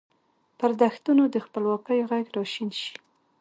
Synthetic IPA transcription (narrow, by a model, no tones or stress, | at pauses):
pəɾd̪axt̪unod̪əxpəlwɑkəjoɣaɡɾɑʃinʃi̥